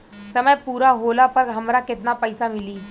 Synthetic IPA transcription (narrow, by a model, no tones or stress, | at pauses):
səməjpuɾaɦolapəɾɡʱəmɾaket̪napəjsamiliː